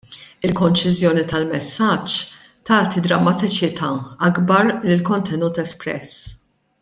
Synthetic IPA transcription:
ɪlkɔnt͡ʃɪzjɔːnit̪ɐlmɛsːɐt͡ʃː | t̪ɐːt̪id̪ɾɐmːɐt̪ɪt͡ʃɪt̪ʰɐːɐɡbɐɾlɪlkɔnt̪ʰɛnuːt̪ɛspɾɛ̰s

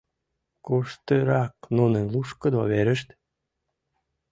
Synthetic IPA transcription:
koʃt̪əɾɑk̚nunə̆nluʃkə̆d̪oβeɾə̆ʃt̪

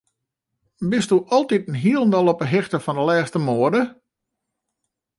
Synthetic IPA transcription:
bɪstuʔɔlˠtitənɦiəlˠən̩dɔlˠɔpəɦɪxtəfɔndəlɛːxstəmoədə

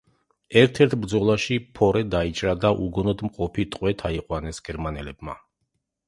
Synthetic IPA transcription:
ɛɾt̪ʰɛɾt̪ʰbɾd̪zɔlˠaʃipʰɔɾɛd̪ait͡ʃʼɾad̪aʔuɡɔnɔd̪mqʼɔpʰit̪ʼqʼwɛt̪ʰaiqʼwanɛsɡ̥ɛɾmanɛlɛbma

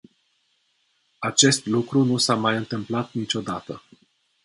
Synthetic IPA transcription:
at͡ʃe̞st̪lukɾunusamajɨnt̪ɨmplat̪nit͡ʃo̞d̪at̪ə

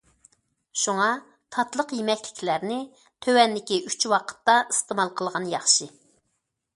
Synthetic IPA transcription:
ʃuŋɑ | t̪ʰɑt̪lˠəqjimɛkʲlɪkʲʰlæɾnɪ | t̪ʰøwɛnːɪkʲiʔyt͡ʃwɑqʰə̥t̪ːɑist̪əmɑlˠqʰəlˠʁɑnjɑχʃɨ

